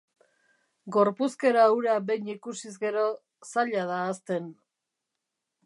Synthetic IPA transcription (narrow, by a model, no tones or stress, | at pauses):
ɡo̞ɾpuske̞ɾawɾabe̞jɲikusizɣe̞ɾo̞ | saʎaðaːst̪e̞n